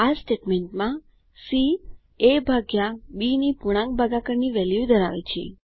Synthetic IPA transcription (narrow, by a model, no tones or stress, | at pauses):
asʈeʈmeɳʈmã | si | ebʱaɡjabinipuɽ̃ãŋk̚bʱaɡakəɾniʋɛljud̪ʱəɾaʋḛt͡ʃʰḛ